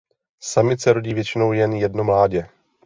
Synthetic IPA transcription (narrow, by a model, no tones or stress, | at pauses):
samɪt̪sɛɾo̞ɟiːvjɛt͡ʃɪno̞wjɛnjɛdno̞mlaːɟɛ